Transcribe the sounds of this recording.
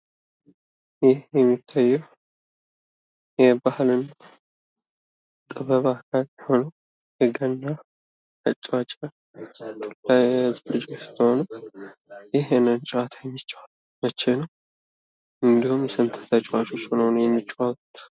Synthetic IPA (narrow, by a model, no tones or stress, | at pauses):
jɪhjɛmːit̪ʰːajːɛw | jɛbahlɨnːa | t̪ʼɨβəβakʰaljho̞nə | jɨɡənːa | ət͡ʃʼwat͡ʃʼa | alɨd͡ʒʼwot͡ʃːt̪ʰəhonu | jɪɦɛnənt͡ʃʼwat̪ʰajɛmːit͡ʃʼːwa | mət͡ʃːenəw | ɨnd̪ihumjsɨmt̪ʰə̥t̪ʰət͡ʃʼwat͡ʃʼot͡ʃnhonujɛmːit͡ʃʼːwakut̪